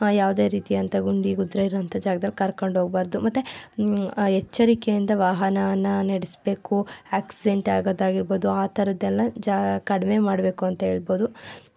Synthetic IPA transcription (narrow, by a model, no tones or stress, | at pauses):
jaːʋd̪e̞ːɾiːt̪ijɐnt̪ɐɡuɳɖiɡud̪ɾɐiɾoɐnt̪ʰɐd͡ʒaːɡɐd̪ɐlːikɐɾkoɳɖɦoːɡbaːɾd̪umɐt̪ːu | ɛt͡ʃːɐɾikejind̪ɐʋaːɦɐnɐɐnːɐnɐɽisbe̞ːkuaːksiɖeɳʈaːɡoːd̪aːɡiɾboːd̪uaːt̪ʰɐɾɐd̪ɛlːɐd͡ʒakɐɽɐmemaːɽbe̞ːkuɐnt̪ɐɦe̞ːɭbo̞ːd̪u